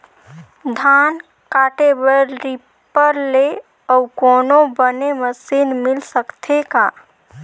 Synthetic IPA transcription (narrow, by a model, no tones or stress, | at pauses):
d̪ʱaːn | kaʈebəɾɾi | pəɾle | ɔukoːnobəneməsiːnmɪlsəkt̪ʰeka